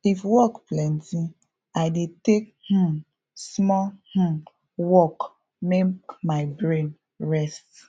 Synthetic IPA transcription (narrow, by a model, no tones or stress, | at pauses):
ifwɔkplɛ̃ntĩ | aɪdetek̚ | hũ | smɔh̩ | wɔk | mekmaɪbɹẽn | ɹɛst